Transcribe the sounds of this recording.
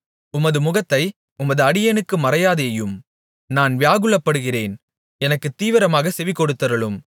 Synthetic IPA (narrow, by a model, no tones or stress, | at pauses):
ʊmɐðɯmʊɣɐt̪ːɐɪ | ʊmɐðɯɐɽɪjɐnɯkːɯmɐɾɐjaːðeːjɯm | naːnʋɪjaːɣɯɭɐpːɐɽɯɣɪreːn | ɛnɐkːɯt̪ːiːʋɪɾɐmaːɣɐsɛʋɪkːɔɽɯt̪ːɐɾɐɭɯm